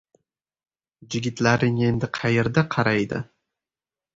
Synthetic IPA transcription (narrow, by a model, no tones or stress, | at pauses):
d͡ʒɪɡʲɪt̪laɾɪŋe̞nd̪ɪqʰɑjeɾd̪aqʰɑɾajd̪ɪ̰